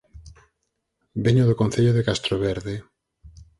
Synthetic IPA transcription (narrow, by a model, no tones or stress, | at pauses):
beɲoðʊkõn̟θeʎoðekast̪ɾoβeɾðe